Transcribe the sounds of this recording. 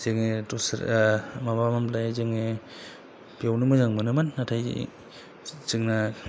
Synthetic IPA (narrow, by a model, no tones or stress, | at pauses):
zeŋetɔsɾmabamamlajazɯŋe | pijawnɯmɯzaŋmɯnɯmanːatʰaj̰ | zɯŋna